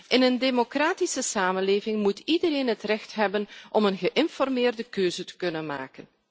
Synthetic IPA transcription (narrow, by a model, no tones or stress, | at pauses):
ʔɪnəndemokraːtisəsaːmənleːvɪŋmutidəɾeːnɦətrɛxtɦɛbənʔɔmənɣəʔɪnfɔrmɪːrdəkøːzətə̥kɵnənma̰ːkən